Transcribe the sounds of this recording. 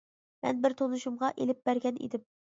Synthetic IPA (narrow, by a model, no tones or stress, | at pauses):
mɛ̰nbɪɾt̪ʰonuʃumʁɑʔelɪp̚bæɾɡʲɛnʔḭd̪ɪm